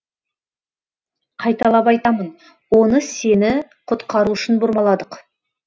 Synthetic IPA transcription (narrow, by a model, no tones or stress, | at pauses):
qʰɑjt̪ɑlˠɑpɑjt̪ɑmən | wo̞nəse̞nɪ | qʰʊt̪qɑɾuʃɪnbʊɾmɑlˠɑd̪əq